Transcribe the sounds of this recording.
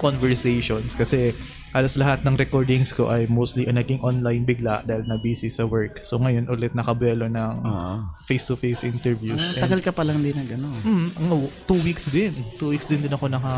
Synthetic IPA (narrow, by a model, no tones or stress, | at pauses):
konvɛɹsejʃonskɐsɛ | haːloslɐɦat̪nɐŋɾɛkoɹd̪ɪŋsko̞̰ʔɐjmowst̪liʔɐnɐɡɪŋʔonlajnbɪɡlaʔd̪aːhɪlnɐbiːsɪsɐwɛɹksoŋɐjo̞nʔolɛt̪̚nɐkɐbɛːlonɐŋfejst̪ʊfejsʔɪnt̪ɛɹvjusɛɐɡɐlkɐpɐlɐŋd̪ɪnɐɡɐnonm̩h̩ʔɐŋat̪uwiksd̪ɪnt̪uːwiksd̪ɪnd̪ɪnɐko̞nɐkɐ